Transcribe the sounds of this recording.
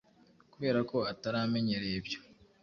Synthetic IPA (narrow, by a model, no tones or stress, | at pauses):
kuβe̞ːɾako̞ataɾame̞ɲe̞ɾebjo̞̥